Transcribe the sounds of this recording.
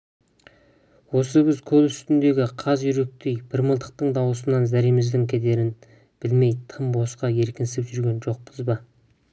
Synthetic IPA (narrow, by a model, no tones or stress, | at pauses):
wo̞səbɪzkʲʰɵlsʏ̥st̪ɪnd̪e̞ɡʲɪqʰɑzjʏɾe̞k̚t̪e̞jbɪɾməlˠd̪əq̚t̪əɴd̪ɑwəsənɑnzæɾijmɪzd̪ɪŋkʲʰed̪e̞ɾɪn | b̥ɪlme̞jt̪ʰəmbo̞sqɑje̞ɾkʲɪnsɪpʒʏɾɡʲe̞nʒo̞q̚pəzbɑ